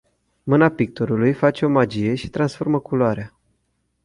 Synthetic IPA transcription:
mɨnapik̚t̪oɾulujfat͡ʃeo̞mad͡ʒije̞ʃi̥t̪ɾansfo̞rməkuloaɾea

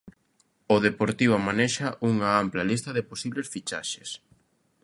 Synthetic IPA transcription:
oðepoɾt̪iβomanɛʃɐʔuŋaamplɐlist̪ɐðɪposiβlesfit͡ʃa̰ʃe̥s

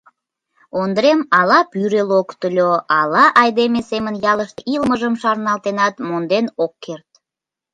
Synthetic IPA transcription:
ond̪əɾemɑlɑpyɾelokt̪əlʲoɑlɑʔɑjd̪emesemənjɑləʃt̪ilməʒəmʃɑrnɑlt̪enɑt̪mond̪enokːert̪̚

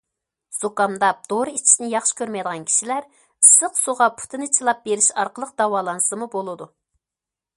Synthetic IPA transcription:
z̥okɑmd̪ɑd̪̥oɾɨit͡ʃʰi̥sɪnɪjɑχʃɪ̥kʲʰøɾmɛjd̪əʁɑnkʲʰi̥ʃilæɾ | ɨsəqsuʁɑpʰu̥t̪ʰɨnɨt͡ʃʰilˠɑp̚beɾɪʃɑɾqəlˠəq̚d̪̥ɑwɑːlˠɑnɨsɨmubolˠɨd̪u

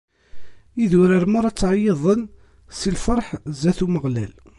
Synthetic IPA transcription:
iðʊɾəɾmaɾˤɑt͡sːʕajːeðˤən | silfəɾˤħzæθuməʁlæl

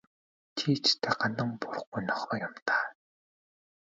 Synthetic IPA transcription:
t̪ʰiːt͡ɕt̪ʰeːɢanə̆ŋpʊr̆χɡujnɔχɔːjamt̪aː

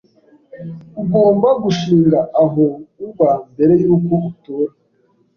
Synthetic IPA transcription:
uɡoːmbaɡuʃiːŋɡaʔaɦouβambe̞ɾe̞juːkoutoːɾa

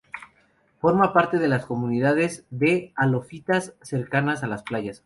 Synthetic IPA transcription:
fo̞ɾmapaɾt̪e̞ð̞e̞lasko̞muniðaðe̞zðe̞alo̞fit̪asːe̞ɾkanasalasplaʝas

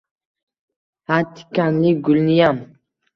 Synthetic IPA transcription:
hat̪ʰi̥kanliɡulnijam

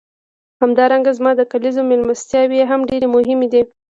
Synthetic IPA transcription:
hamd̪ɑɾaŋɡazmɑd̪əkalizomelmast̪jɑweɦamɖeɾemʊɦɪmed̪i

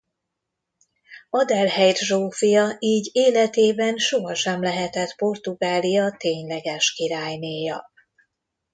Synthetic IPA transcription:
ɒd̪ɛlhɛjrʒoːfijɒiːɟeːlɛt̪eːbɛnʃo̞ɦɒʃɛmlɛɦɛt̪ɛt̪po̞rt̪uɡaːlijɒt̪eːɲlɛɡɛʃkiɾaːjneːjɒ

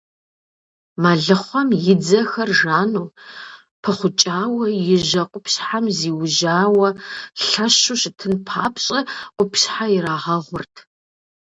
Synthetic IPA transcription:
maːɮɨχʷɔmjɪd͡zɐxɐrʒaːnuː | pʰɐχʷʊt͡ʃʼaːwɐjɪʒɐqʷʼʊpɕħamziːwʊʒaːwɐɬɐɕuːɕɪtʰɨnpʰaːpʰɕʼɐʔʷʼʊpɕħajɪɾaːʁɐʁʷʊrtʰ

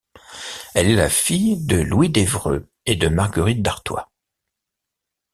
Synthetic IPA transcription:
ɛlɛlafijd̪əlwid̪evʁø̰ | ed̪əmaʁɡəʁit̪̚d̪aʁt̪wa̰

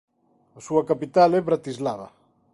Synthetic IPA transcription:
asuakapit̪alɛβɾat̪izlaβa̰

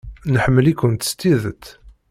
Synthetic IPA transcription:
nəħəmːəlikːʊnt̪ə̥st̪iðət̪

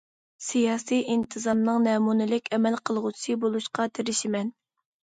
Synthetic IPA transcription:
sijɑːsijint̪ʰɨzɑmnɨŋnɛmunɪlɪkʲɛmɛlqʰəlˠʁʊt͡ʃʰibolˠuʃqɑt̪ʰeɾɪʃimɛn

